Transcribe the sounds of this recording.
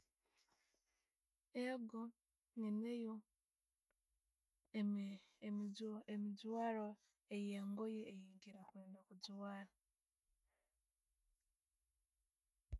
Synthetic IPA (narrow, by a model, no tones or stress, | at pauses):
eɡo | ninejo | emid͡zwaːɾo | ejeŋɡojeːjiːŋɡiɾakweːndokud͡zuwaːɾa